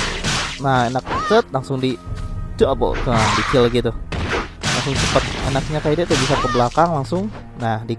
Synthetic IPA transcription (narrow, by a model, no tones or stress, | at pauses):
nahenak̚t͡ʃət̪̚laŋsʊŋdit͡ʃuabo̰kədikɪlɡit̪u | la̰ŋsʊŋt͡ʃəpət̪̚ḛnak̚ɲakajadiat̪əbisakəbəlakaŋlaŋsʊŋ | nahdi